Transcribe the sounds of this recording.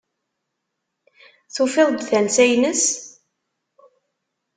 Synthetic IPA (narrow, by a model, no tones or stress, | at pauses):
θufeðˤd̪θænsæjnəs